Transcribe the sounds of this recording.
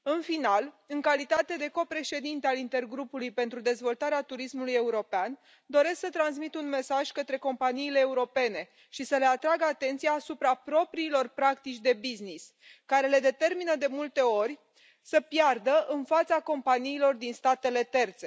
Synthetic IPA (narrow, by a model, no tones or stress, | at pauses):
ɨnfinal | ɨŋkalit̪at̪e̞d̪e̞ko̞pɾe̞ʃe̞d̪int̪ealint̪e̞rɡɾupulujpe̞nt̪ɾud̪e̞zvo̞lt̪aɾeat̪uɾismuluje̞uɾo̞pean | d̪o̞ɾe̞sksət̪ɾans̬mit̪unme̞saʒʲkət̪ɾe̞ko̞mpaniːle̞ːuɾo̞pe̞ne̞ | ʃisəle̞at̪ɾaɡəat̪e̞nt̪sijaːsupɾapɾo̞pɾiːlo̞rpɾakt̪it͡ʃʲd̪e̞biznis | kaɾe̞le̞d̪e̞t̪e̞rminəd̪e̞mult̪e̞o̞rʲ | səpjard̪əʔɨnfat̪sako̞mpaniːlo̞rd̪inst̪at̪e̞le̞t̪e̞rt̪se̞